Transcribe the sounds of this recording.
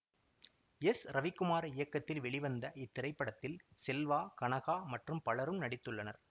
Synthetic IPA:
ɛsɾɐʋɪkːɯmaːɾɐɪjɐkːɐt̪ːɪlʋɛɭɪʋɐnd̪ɐʔɪt̪ːɪɾɐɪpːɐɽɐt̪ːɪlsɛlʋaːkɐɳɐɣaːmɐʈrɯmpɐɭɐɾɯmnɐɽɪt̪ːɯɭːɐnɐɾ

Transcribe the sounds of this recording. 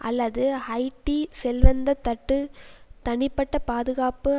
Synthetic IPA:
ʔɐlːɐðɯhɐɪʈːisɛlʋɐnd̪ɐt̪ːɐʈːɯt̪ɐɳɪpːɐʈːɐpaːðɯɣaːpɯ

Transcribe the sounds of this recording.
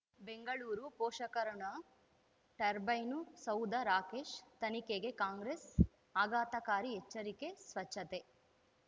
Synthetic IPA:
beŋɡɐɭuːɾupoːʃɐkɐɾɐɳɐ | ʈɐɾbɐjnusɐwd̪ɐɾaːkeːʃt̪ɐnikeɡekaːŋɡɾes | aːɡaːt̪ɐkaːɾiɦet͡ʃːɐɾikesʋɐt͡ʃʰːɐt̪e

